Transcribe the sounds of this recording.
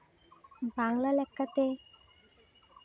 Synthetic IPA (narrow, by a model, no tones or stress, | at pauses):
baŋlalɛkʰːat̪e